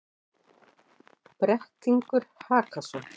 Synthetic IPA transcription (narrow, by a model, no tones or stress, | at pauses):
pɾɛht̪iŋkʏɾ̥haːkasɔ